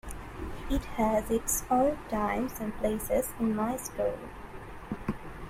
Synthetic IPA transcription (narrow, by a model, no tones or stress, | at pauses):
ɪthæzɪtsɔltʰãɪ̃mzɨ̃npʰleɪsɪzɪ̃nmaɪskuːlˠ